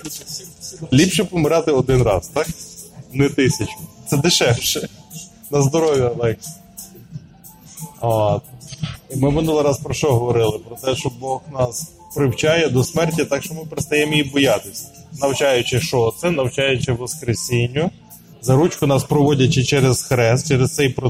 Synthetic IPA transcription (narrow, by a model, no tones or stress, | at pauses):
lʲipʃɛpɔmɪɾɑt̪ɪɔd̪ɪnɾɑ̰zt̪ɑknɛt̪ɪsʲɐt͡ʃʊt̪sɛd̪ɪʃɛwʃɛ | nɐzd̪ɔɾɔʋʲjiɐlˠɛk | ot̪̚imɪmɪnulˠɪɾɑspɾɔʃt͡ʃɔɦɔʋɔɾɪlˠɪpɾɔt̪ɛʃt͡ʃɔbɔxnɑs | pɾɪwt͡ʃajɛd̪ɔsmɛrtʲːit̪ɑkʃt͡ʃɔmɪpeɾɪtst̪ɐjɛmɔjibɔjɑt̪ɪsʲɐ̥nɐwt͡ʃɑjʊt͡ʃɪʃɔt̪sɛnɐwt͡ʃɑjʊt͡ʃɪʋɔskɾesʲinʲːʊ | zɐɾut͡ʃkʊnɑspɾɔʋɔdʲɐt͡ʃɪt͡ʃɛɾez̥xɾɛst̪t͡ʃɛɾest̪sɛjpɾɔ